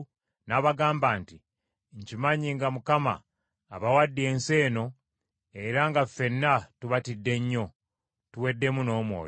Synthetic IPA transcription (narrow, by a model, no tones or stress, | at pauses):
naβaɡaːmbaːnti | ɲcimaɲiŋɡamukama̰ː | βawadːie̞ːnse̞ːno̞ | eɾaŋɡafe̞nːatuβatidːe̞ɲːo̞ | tuwe̞dːe̞muno̞ːmwo̰ːj